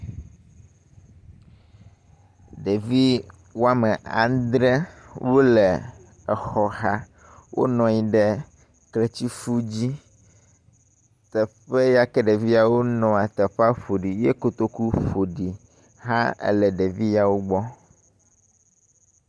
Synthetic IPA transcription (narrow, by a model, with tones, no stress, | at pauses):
ɖe˨vi˦ | wo˦a˦mɛ˨a̰˨d̪ɾɛ˦wo˦lɛ˨ | ɛ˨xɔ˨ɦa˦ | wʔo̰˦nɔ̃˨ɲĩ˦ɖɛ˦ | klɛ˨t͡ɕi˦fu˦d͡ʑi˦ | t̪ɛ˨ɸe˦ja˦kɛ˦ɖɛ˨vi˦a˨wo˦nɔ̃˨a˨t̪ɛ˨ɸa˦ɸo˨ɖi˨je˦ko˦t̪o˦ku˦ɸo˨ɖi˨ | ɦã˦ɛ̰˦lɛ˨ɖe˨vi˦ja˨wo˦ɡ͡bɔ˦